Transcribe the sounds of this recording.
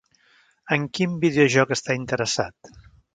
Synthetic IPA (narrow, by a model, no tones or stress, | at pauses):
əŋkimbiðeoʒɔkəst̪aint̪əɾəsat̪